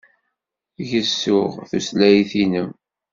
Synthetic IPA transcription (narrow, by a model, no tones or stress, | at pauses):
ʝəsːʊʁθuslæjθinəm